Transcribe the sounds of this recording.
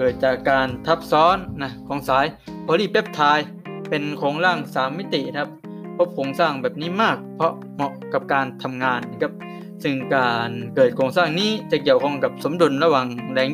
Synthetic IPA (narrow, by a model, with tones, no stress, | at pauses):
kɤː˨˩t̪̚t͡ɕaː˨˩kːaː˧nt̪ʰa˦˥˩p̚sɔː˦˥nːa˦˧˩kʰɔː˨˦ŋsaː˨˩˦j | pʰɔː˧liː˧˥˩pe˦˥p̚t̪ʰaː˧j | pe˧nkʰoː˨˩˦ŋɾaː˥˩ŋsaː˨˦mːi˦˥t̪i˨na˦kʰa˦˧˥p̚ | pʰːo˦˥p̚kʰoː˧ŋsaː˥˩ŋbɛː˨˩p̚niː˦˥˨maː˥˩k̚pʰɔ˧˥ʔ | mɔ˧˩ʔka˨˩p̚kaː˧nt̪ʰa˧mŋaː˧nː˧˥kʰa˦˧˥p̚ | sɯ˧˩ŋkaː˧nkɤː˨˩t̪̚kʰoː˧ŋsaː˥˩ŋniː˦˥˩t͡ɕa˧˩ki˨˩əwkʰɔ˧˩ŋka˨˩p̚so˩˦mdu˧nɾa˧waː˨˩ŋlɛː˨˧˥ŋ